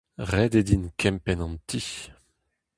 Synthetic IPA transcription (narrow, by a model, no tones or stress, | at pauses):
ʁɛd̪ed̪inkʰɛmpɛnɑ̃nt̪ʰi